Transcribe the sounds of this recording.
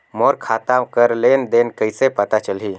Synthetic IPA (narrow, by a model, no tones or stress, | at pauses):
mɔːɾkʰat̪akəɾlend̪enkəisepət̪at͡ʃəlɦi